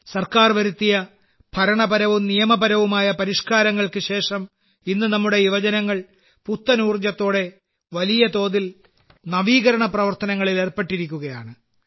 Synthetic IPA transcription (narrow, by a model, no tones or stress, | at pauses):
sɐrkaːrʋɐɾut̪ːijɐ | pʰɐɾɐɳɐbɐɾɐʋumnijɐmɐbɐɾɐʋumaːjɐpɐɾiʂkaːɾɐŋːɐɭkɨɕe̞ːʂɐm | inːɨnɐmːuɽe̞iʋɐd͡ʑɐnɐŋːɐɭ | put̪ːɐnuːrd͡ʑɐt̪ːo̞ːɽe̞ | ʋɐlijɐt̪o̞ːðil | nɐʋiːɣɐɾɐɳɐprɐʋɐrt̪ɐnɐŋːɐɭile̞ːrpeʈːiɾikʲːuɣɐjaːɳɨ